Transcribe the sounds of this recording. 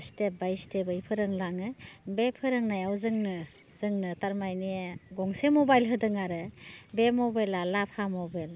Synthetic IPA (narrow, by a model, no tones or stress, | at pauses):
step̚bajstebɯipʰɯɾɯŋlaŋɯbepʰɯɾɯŋnajawzɯŋnɯ | z̥ɯŋnɯtaɾmajniɡɔŋsemɔbajlɦɯdɯŋaɾɯbemɔbajlalapʰamɔbal